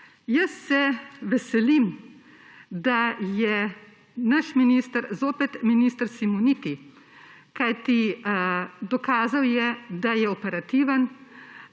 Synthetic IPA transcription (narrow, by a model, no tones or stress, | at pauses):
jəsːɛʋɛsɛlim | d̪ajɛ | naʃminiːst̪əɾzoːpɛt̪miniːst̪əɾsimunit̪i | kajt̪i | d̪ɔkaːzawjɛd̪ajɛɔpɛɾat̪iːʋən